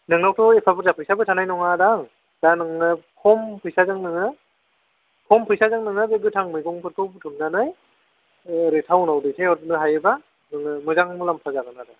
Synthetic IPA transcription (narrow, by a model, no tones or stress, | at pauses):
nɯŋnawtʰɔepʰabɯɾzapʰɯjsabɯtʰanajnɔŋadaŋ | danɯŋnɯkʰɔmpʰɯjsazaŋnɯŋɯ | kʰɔmpʰɯjsazaŋnɯŋɯbeɡɯtʰaŋmɯjɡɔŋpʰɯtʰɔbɯtʰɯmnanɯj | ɾetʰawnawdɯjtʰajɔdɯnɯɦajɯba | nɯŋɯmɯzaŋmɯlampʰazaɡɯnada